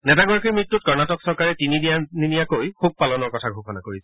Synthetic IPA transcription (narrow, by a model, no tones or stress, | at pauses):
nɛtaɡɔɹakiɹmɹitːut̚kɔɹnatɔksɔɹkaɹɛtinidijaninijakojxub̚palɔnɔɹkɔtʰaɡʱoxɔnakoɹisɛ